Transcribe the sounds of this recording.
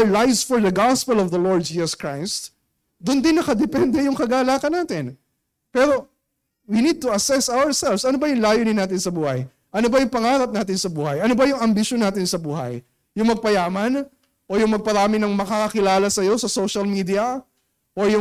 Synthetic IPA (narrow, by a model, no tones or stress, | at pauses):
lajsfɔɹd̪ɐɡɑspɛlɔvðɐloɹd̪̚d͡ʒiːsɐskɹajst̪ | d̪ʊnd̪ɪnːɐkɐd̪ɛpɛnd̪ɛjʊŋkɐɡaːlaːkɐnːaːt̪ɪn | pɛːɾo̞ | winid̪̚t̪ʊɐsɛsawəɹsɛlvsʔɐnobɐjʊŋlaːjʊnɪnːaːt̪ɪnsɐbuːhɐj | ʔɐno̞bɐjʊŋpɐŋaːɾɐp̚naːt̪̬ɪnsɐbuːhɐjʔɐno̞bɐjʊŋɐmbɪʃonːaːt̪ɪnsɐbuːhɐ̰jː | ʊŋmɐɡ̚pɐjaːmɐn | ʔojʊŋmɐɡ̚pɐɾaːmɪnɐŋmɐkakɐkɪlaːlɐsɐjo̞sɐsowʃɐlmid̪iɐ | ʔojʊ